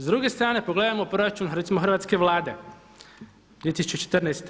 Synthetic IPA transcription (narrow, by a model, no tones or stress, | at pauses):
zd̪ɾuːɡe̞st̪ɾaːne̞poɡle̞d̪amopɾoɾat͡ʃunɾet̪simoxrʋaːt̪ske̞ʋlˠaːd̪e̞ | d̪ʋiet̪isut͡ʃet͡ʃet̪rnajst̪